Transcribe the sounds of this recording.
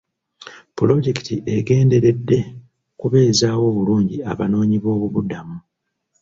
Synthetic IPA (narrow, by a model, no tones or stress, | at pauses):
pulo̞ɟeki̥tiʔeɡe̞ːnde̞ɾe̞dːe̞ | kuβe̞ːzaːwo̞ːβuluːɲɟiaβa̰no̞ːɲiβo̞ːβuβudamu